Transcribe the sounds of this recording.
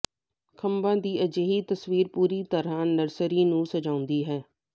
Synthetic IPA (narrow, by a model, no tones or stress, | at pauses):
kʰəmbãːd̪iːʔəd͡ʒeːɦiːt̪əsʋiːɾpuːɾiːt̪əɾãːnəɾsəɾiːnũːsəd͡ʒaːʊ̃nd̪iːɦɛː